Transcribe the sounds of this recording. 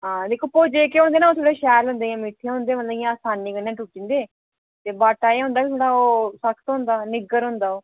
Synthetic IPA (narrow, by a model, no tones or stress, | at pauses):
ɦãːd̪eːkʰoːpoːd͡ʒeːkeːɦʊːñd̪eːnaːoːt̪ʰoːɽeːʃɛːlɦʊ̃ːnd̪eːãːmɪʈ̪ʰːĩɦʊ̃ːnd̪eːmət̪laijãːsaːniːkənãːʈuːʈĩːnd̪eː | t̪eːbaːʈaːeɦʊ̃nd̪aːkit̪ʰoːɽaːoːsəkʰt̪ɦʊ̃nd̪aːnɪɡəɾɦʊ̃nd̪aːoː